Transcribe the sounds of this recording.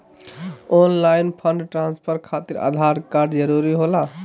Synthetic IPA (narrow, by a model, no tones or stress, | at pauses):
onlajnpʰəɳɖʈɾãnspʰəɾkʰat̪iɾa̰d̪ʱaɾkaɾɖd͡ʒəɾuɾiɦola